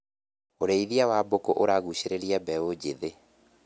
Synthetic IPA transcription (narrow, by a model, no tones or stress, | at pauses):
oɾeiðiawabokoʔoɾaɣuɕeɾeɾiɛbɛod͡ʑeðe